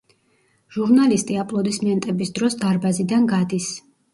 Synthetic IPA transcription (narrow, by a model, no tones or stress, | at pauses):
ʒ̥uɾnalist̪ʼiapʼlˠɔd̪ismiɛnt̪ʼɛbisd̪ɾɔsd̪aɾbazid̪anɡad̪is